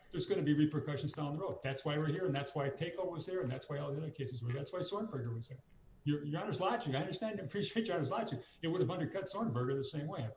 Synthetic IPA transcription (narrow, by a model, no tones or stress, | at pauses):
ðə˞zɡʌnɨbiɹipʰɹəkʰʌʃn̩zd̃ʊ̃nðəɹoʊd̪̚ðætswaɪwɪɹɦiɹɨ̃nðætswaɪtʰeɪkˠwʌzðə˞ɨ̃nðætswaɪɔlˠdɛlˠəkʰeɪsɨzwə˞ðætswaɪsɔɹnvɜ˞ɡə˞wʌzðə˞ | jə˞jɑ̃nə˞slɑt͡ʃɪ̃ŋaɪʌ̃ndə˞stæ̃ntɨɨpʰɹ̥iʃieɪt̚ɑ̃nə˞slɑt͡ʃɪ̃ŋ | ɨt̚wəɾɨvʌ̃ndə˞d̚kʰʌtsɔɹnvɜ˞ɡə˞ðɨsẽɪ̃mweɪ